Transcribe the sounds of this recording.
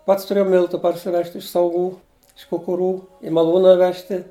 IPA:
ˈpɐts tʊˈrʲeːjɛʊ ˈmʲɪlˠtʊ pɐrʲsʲɪˈʋʲɛʃʲtʲ ɪʃ sɐʊˈɡuː ɪʃ kʊkʊˈruː ɪ mɐˈlˠuːnɐ ˈʋʲæːʃʲtʲɪ

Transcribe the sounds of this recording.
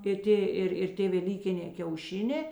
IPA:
ɪr ˈtʲeː ˈɪr ɪr ˈtʲeː ʋʲɛˈlʲiːkʲɪnʲeː kʲɛʊˈʃʲɪnʲeː

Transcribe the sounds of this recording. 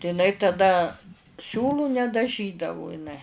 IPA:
tɐɪ ɪˈnɐɪ tɐˈdɐ ˈsʲuːlˠuː nʲɛdɐˈʒʲiːdɐʋʊ ɪˈnɐɪ

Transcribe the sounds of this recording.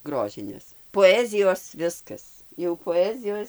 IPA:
ˈɡroːʒʲɪnʲeːs poːˈæːzʲɪjoːs ˈʋʲɪskɐs jɛʊ poːˈæːzʲɪjoːs

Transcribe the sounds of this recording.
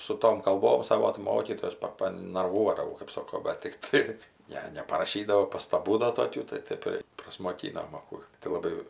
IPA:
sʊ ˈtoːm kɐlˠˈboːm ˈsɑːʋoː tɜ ˈmoːkʲiːtoːjɛs ˈpɐ pɐnɐrˈʋuɔdɐʋɐʊ kɜp ˈsoːkoː bʲɛt tʲɪkˈtɐɪ ˈnʲɛ nʲɛpɐrɐˈʃʲiːdɐʋoː pɐstɐˈbuː dɐ toːˈkʲuː tɐɪ ˈtɐɪp ɪr prɐsmoːˈkʲiːnoːm ɐ ˈkuː tɐɪ lˠɐˈbɐɪ

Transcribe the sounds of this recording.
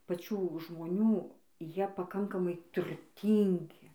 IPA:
pɐˈt͡ʃʲuː ʒmoːˈnʲuː ˈjiɛ pɐˈkɐŋkɐmɐɪ tʊrʲˈtʲiːŋʲɡʲɪ

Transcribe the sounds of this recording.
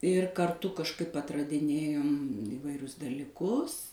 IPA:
ɪr kɐrˈtʊ kɐʃˈkɐɪp ɐtrɐdʲɪˈnʲeːjoːm ɪʋɐɪˈrʲʊs dɐlʲɪˈkʊs

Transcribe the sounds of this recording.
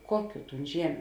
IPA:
ˈkuɔˌkʲuː ˈtuːn ˈʒʲiɛmʲʊ

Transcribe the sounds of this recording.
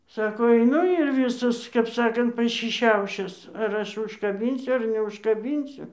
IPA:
ˈsɑːkoː ɐɪˈnʊ ɪr ˈʋʲiːsɐs kɐp ˈsɑːkɐnt pɐʃʲɪˈʃʲɛʊʃʲɪs ɐr ˈɐʃ ʊʃkɐˈbʲiːnʲsʲʊ ɐr nʲɛʊʃkɐˈbʲiːnʲsʲʊ

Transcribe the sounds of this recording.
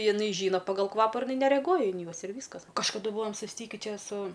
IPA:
jɪˈnɐɪ ˈʒʲiːnɐ pɐɡɐlˠ ˈkʋɑːpɐ ɪr ɪˈnɐɪ nʲɛrʲɛˈɡuɔjɛ ɪn ˈjuɔs ɪr ˈʋʲiːskɐs kɐʃkɐˈdʊ ˈbuːʋoːm sʊsʲˈtʲiːkʲɪ ˈt͡ʃʲɛ sʊ

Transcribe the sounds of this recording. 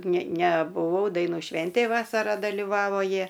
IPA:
nʲɛ nʲɛbʊˈʋɐʊ dɐɪˈnuː ˈʃʲʋʲɛnʲtʲeːj ˈʋɑːsɐrɐ dɐlʲɪˈʋɑːʋoː ˈjiɛ

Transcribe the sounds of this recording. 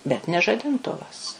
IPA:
bʲɛt nʲɛ ʒɐdʲɪnˈtʊʋɐs

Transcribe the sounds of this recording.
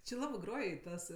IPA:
t͡ʃʲɪ ˈlˠɑːbɜ ˈɡroːj ɪ ˈtɐs

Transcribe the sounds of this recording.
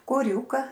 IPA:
koːˈrʲuːkɐ

